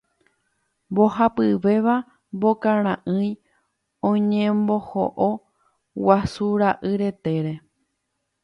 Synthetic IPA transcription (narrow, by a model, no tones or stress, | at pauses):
mbo̞ɦapɨʋe̞ʋa | mbo̞kãɾ̃ãʔɨ̃j̃ | õɲẽmbo̞ho̰ʔo | wasuɾaʔɨɾe̞t̪e̞ɾe̞